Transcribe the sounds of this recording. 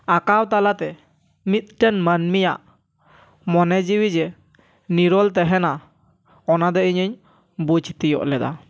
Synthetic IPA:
akawt̪alat̪ɛ | mit̪̚ʈɛnmənmija̰ʔ | mɔnɛd͡ʒiwid͡ʒɛ | niɾɔlt̪ɛɦɛna | ɔnad̪ɛiɲəɲ | but͡ʃt̪ijɔ̰ʔlɛd̪a̰

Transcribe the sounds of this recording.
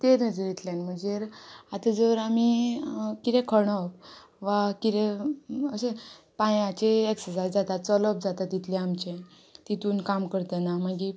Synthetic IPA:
t̪eɾnəd͡zəɾet̪lãnm̤əɳd͡zeɾat̪əd͡zəʋɾami | kit̪ẽkʰəɳɔp | ʋakit̪eəse | pãjãt͡ɕeeksəd͡zasd͡zat̪at͡sɔlɔp̚d͡zat̪at̪ːit̪ʰliamt͡ɕe | t̪it̪uːnkamkəɾt̪ənaməɡi

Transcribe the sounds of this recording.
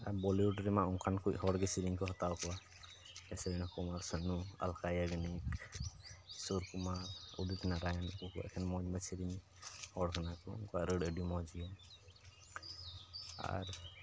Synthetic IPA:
abɔliuɖɾɛmaɔŋkʰankʰuʔɦɔɽɡɛsiɾiŋkʰɔɦɔt̪awkʰɔwa | ɛsɛbɛnakɔmaɾsanua̰lkajaɡənik | sɔɾkumaṵdut̪ʰnaɾajankukɛ̰kʰɛnmɔd͡ʒmasiɾiŋ | hɔɽkʰanakɔɔ̰ŋkɔwaɾəɖəɖjumɔd͡ʒiɔn | a̰ɾ

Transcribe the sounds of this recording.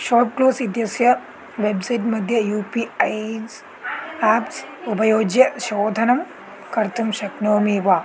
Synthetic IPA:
ʃoːp̚kloːsʋid̪jɐsjɐ | ʋebsɐjʈmɐd̪ʱjɐjuːpiːɐj | aːps | ubɐjoːɡjɐʃoːd̪ʱɐnɐm | kɐɾt̪ʰumʃɐknoːmiːʋaː

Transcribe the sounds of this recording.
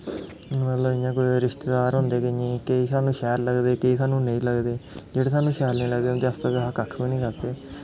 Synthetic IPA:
mət̪ləbɪjãːk̬oːiɾɪʃt̪eːd̪aːɾɦʊ̃nd̪eːkɪɲẽːkeiːsaːnũːʃɛːɾləɡd̪eːkeiːsaːnũːnəĩːləɡd̪eːd͡ʒeːɽeːs̬aːnũːʃɛːɾnĩːləɡd̪eːʊ̃nd̪eːəst̪əkeɦaːkəkʰbĩːnĩːkəɾt̪eː

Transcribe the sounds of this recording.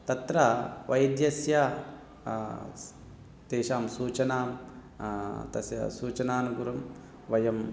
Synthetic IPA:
t̪ɐt̪ɾɐʋɐjd̪jɐsjɐ | t̪eːʃaːmsuːt͡ʃɐnaːm | t̪ɐsjɐ̰suːt͡ʃɐnaːnuɡuɾɐm | ʋɐjɐm

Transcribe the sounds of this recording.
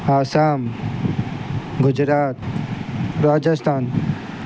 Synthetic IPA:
aːsaːm | ɡʊd͡ʒɾaːt̪ | ɾaːd͡ʒɐst̪ʰaːn

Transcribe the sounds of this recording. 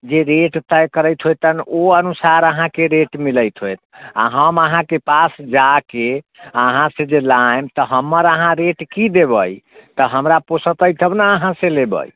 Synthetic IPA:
d͡ʒeɾeʈt̪əjkəɾəjt̪ɦojt̪ənoənusaɾəɦãkeɾeʈmiləjt̪ɦojt̪̚ʰa̰ɦəməɦãkepasd͡ʒake | əɦãsẽd͡ʒelamt̪əɦəmːəɾəɦãɾeʈkid̪ebəjt̪əɦəmɾaposət̪əjt̪ʰəbnaəɦãselebə̰j

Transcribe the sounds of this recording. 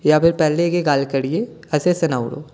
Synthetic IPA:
japʰɪɾpɛɦleɡeɡaːlkɐɽieɐsesɐnaːʊɽo̰ː

